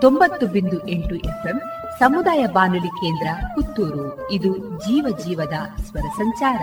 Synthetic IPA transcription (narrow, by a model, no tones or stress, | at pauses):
t̪ombɐt̪ːubind̪uʔeɳʈuʔepʰem | sɐmud̪aːjɐbaːnulikeːnd̪ɾɐkut̪ːuːɾu | id̪ud͡ʒiːʋɐd͡ʒiːʋɐd̪ɐsʋɐɾɐsɐɲt͡ʃaːɾɐ